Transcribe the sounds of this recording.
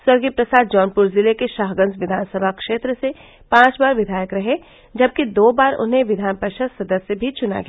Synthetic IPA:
swɐɾɡipɾɐsaːd̪̚d͡ʒɔːnpʊɾzɪlekeʃaːɦɡə̃nzʋɪd̪ʱaːnsəbʱakʃeːt̪ɾəse | pãːt͡ʃbaːɾʋɪd̪ʱaːjəkɾɐɦe | d͡ʒɐb̚kid̪oːbaːɾʊ̰nɦẽʋɪd̪ʱaːnpəʃəsɐd̪əsjəbʱit͡ʃʊna̰ɡ

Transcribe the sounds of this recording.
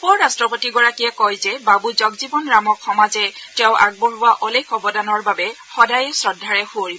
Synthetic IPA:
pɔɹːastɹɔpotiɡɔɹakijɛkɔjzɛbabuzɔɡzibɔnɹamɔkxɔmazɛtɛʊ̃ʔaɡ̚boɹʊwaʔɔlekʰɔbɔdanɔɹbabɛ | xɔdajɛsɹɔdʱːaɹɛxuoɹibɔ

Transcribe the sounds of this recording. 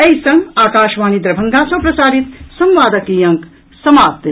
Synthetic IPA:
ɐjsɐ̃ŋɡaːkaːʃʋaːnid̪ɾɐbʱɐŋɡaːsɐ̃pɾɐsaːɾit̪sɐ̃mʋaːd̪ɐkiːjɐ̃ŋk | sɐmaːt̪

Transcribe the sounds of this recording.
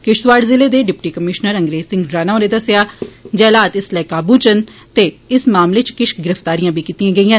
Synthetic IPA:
kɪʃʋaːɖzɪleːd̪eːɖɪpʈiːkəmɪʃnəɾəŋɡɾeːzsɪ̃ŋɡɾaːnaːõneːd̪əsjaːd͡ʒɛːlaːt̪ɪslɛːkaːbũːt͡ʃənt̪eːɪsmaːmleːt͡ʃkɪʃɡɪɾəft̪aːɾijãːbiːkiːt̪iãːɡəiːãː

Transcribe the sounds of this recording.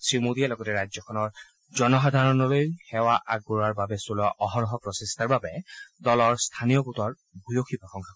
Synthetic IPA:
sɹimodialɔɡɔtɛɹajzɔkʰɔnɔɹ | zɔnɔxad̪ʱaɹɔnɔlojhɛwaʔaɡuɹaɹbabɛsola̰ʔɔɦɔnɔɦɔpɹɔsistʰaɹbabɛdɔlɔɹst̪ʰanijɔbutɔɹ | bʱujoxʰipɹɔxɔŋkʰak

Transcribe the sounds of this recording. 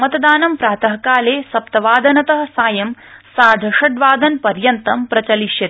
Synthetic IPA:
mɐt̪ɐd̪aːnɐmpɾaːt̪ɐɦɐkaːleːsɐpt̪ɐʋaːd̪ʱɐnɐt̪ɐɦɐ̆saːjɐm | saːd̪ʱɐʂɐɖʋaːd̪ɐnpɐɾjɐnt̪ɐmpɾɐt͡ʃɐliʃjɐt̪i̥

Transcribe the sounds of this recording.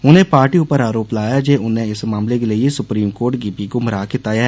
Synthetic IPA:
ʊnẽpaːɾʈiʊpəɾaːɾoːplaːjad͡ʒeːʊnẽɪsmãːmlekeliiesʊpɾiːmkoːɾʈɡipikomɐɾaːkɪt̪aːjaɦɛ

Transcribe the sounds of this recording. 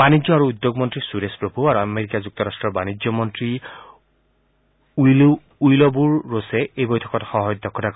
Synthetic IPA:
b̥anizɔaɹuːd̪joɡmɔntɹisuɾespɹobʱuaɹuameɹikazuk̚tɔɹastɹɔɹbanizɔmɔntɹi | l | ujlɔbuɹːosɛejbojtʰɔ̥kɔtxɔɦɔjd̪ːɔkʰːɔdʰak

